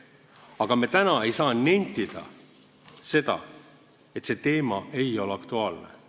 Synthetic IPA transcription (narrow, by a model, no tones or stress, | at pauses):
ɑɡ̥ɑmet̪ænɑe̞jsɑːnːenʲt̪ːid̪̥ɑ̰ | se̞d̪ɑ̰ | e̞t̪se̞t̪e̞ːmɑʔe̞jo̞leɑkt̪uɑːlnḛ